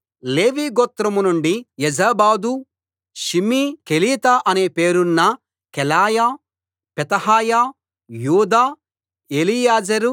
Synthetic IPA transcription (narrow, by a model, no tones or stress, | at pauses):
leːʋiːɡoːt̪ɾɐmunuɳɖijɛd͡ʒaːbaːd̪u | ʃimiːkeliːt̪aːʔɐne̞ːpe̞ːɾunːɐ | kɛlaːjaː | pɛt̪ɐhaːjaː | juːd̪aː | eːlijaːd͡ʒɐɾu